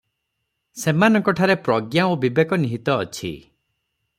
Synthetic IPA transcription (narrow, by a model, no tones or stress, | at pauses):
semanɔŋkɔʈʰaɾepɾɔɡjaobibekɔniɦit̪ɔːt͡ʃʰḭ